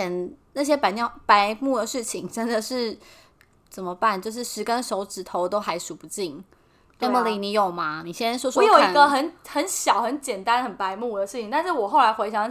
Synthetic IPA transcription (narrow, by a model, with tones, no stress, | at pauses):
ɛ˧˥nna˥˩ɕ̬jɛ˥pa˨˩ɪnjɑ˥˧pa˧˥ɪmu˥˩d̪ə˩ʂɻ̩˥˩t͡ɕʰi˨˩˦ŋʈ͡ʂə˦˥nd̪ə˨ʂɻ̩˥˩ | t͡sə˨˩nmə˩pa˥˩nt͡ɕjo˥˧ʊʂ̬ɻ̩˥˩ʂɻ̩˧˥kə˥nʂo˧˥ʊʈ͡ʂɻ̩˨˩t̪ʰo˧˥ʊt̪o˥ʊxa˧˥ɪʂu˨˥˩pu˧˥t͡ɕi˥˩ŋ | a˥˧mə˥˩li˧˩ni˧˥jo˨˩ʊma˦ni˨˩ɕjɛ˥nʂwɔ˥ʂwɔ˧˦˥jo˨˥˩ʊ˥i˥˧˦ɡə˧xə˧˦nxə˧˥nɕjɑ˨˩ʊxə˧˦˥nt͡ɕjɛ˨˩nt̪a˦˥nxə˨˩npa˧˥ɪmu˥˩d̪ə˩ʂɻ̩˥˩t͡ɕʰi˨˩ŋt̪a˥˧nʂɻ̩˥˩wɔ˨˩xo˥ʊla˧˥ɪxwe˧˥ɪɕjɑ˧˥ŋ